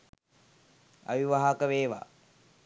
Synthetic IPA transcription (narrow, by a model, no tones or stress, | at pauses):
a̰ʋiʋaɦakəʋeːʋa̰